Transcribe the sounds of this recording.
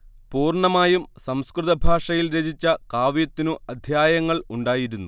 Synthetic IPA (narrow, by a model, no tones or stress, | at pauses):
puːrɳɐmaːjumsɐmskrɨðɐbʱaːʂɐjilɾed͡ʑit͡ɕːɐkaːʋjɐt̪ːinuʔɐd̪ʱjaːjɐŋːɐɭuɳɖaːjiɾunːu